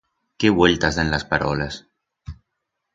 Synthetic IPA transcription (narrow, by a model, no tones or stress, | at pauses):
keβweʎt̪azðenlaspaɾɔles